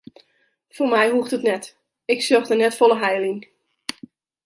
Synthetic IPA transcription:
formɛjɦuxtətnɛt | ɪksøxdənɛtfolˠəɦɛjliŋ

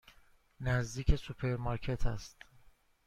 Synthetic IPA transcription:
næzd̪iːcʰe̞supʰe̞ɾmɒːɾcʰe̞t̪ʰæ̰st̪

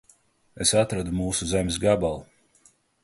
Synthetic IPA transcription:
esat̪ɾad̪umuːsuzemʲsɡabalˠu

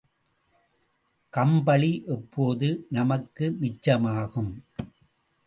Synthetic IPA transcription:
kɐmbɐɭiʔɛpʰːoːðɯnɐmɐkːɯmɪt͡ʃːɐmaːɣɯm

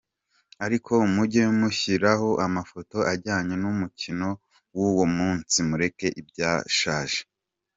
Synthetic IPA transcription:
aɾikʰo̞umuɟemuçiɾaɦo̞ʔamafo̞to̞ʔaɟaːɲe̞numucino̞ | wuwomuːnt͡simuɾe̞ke̞ʔibɟaːʃaːʒe

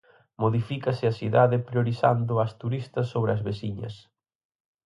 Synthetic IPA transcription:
moðifikɐsɪɐsiðaðɪpɾjoɾiθand̪ʊɐst̪uɾist̪ɐsːoβɾɪɐzβesiɲɐ̰s

